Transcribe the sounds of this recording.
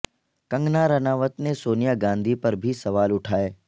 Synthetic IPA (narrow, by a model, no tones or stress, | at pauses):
kɐ̃ŋɡnaɾɐnaːʋət̪nesoːnijaɡãːnd̪ʱipɐɾbʱisɐʋaːlʊʈʰaːeː